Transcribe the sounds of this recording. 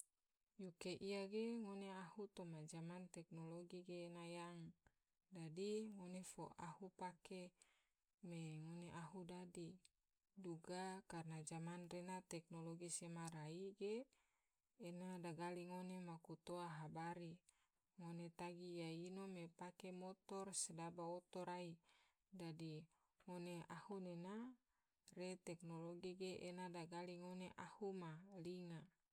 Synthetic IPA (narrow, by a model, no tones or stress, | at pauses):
jukeʔijaɡeŋoneahut̪omad͡ʒamant̪ɛknoloɡiɡeːnajaŋ | dadiŋonefo̰ʔa̰hupake | meŋoneʔaɦudadi | duɡakarnad͡ʒamanrenat̪ɛk̚noloɡisemaɾaiɡeː | nadaɡaliŋonemakut̪oaɦabaɾi | ŋonet̪aɡijainomepakemot̪ɔrsedabaot̪ɔɾai | dadi | ŋoneahunena | ret̪ɛknoloɡiɡeʔenadaɡaliŋoneʔahumaliŋa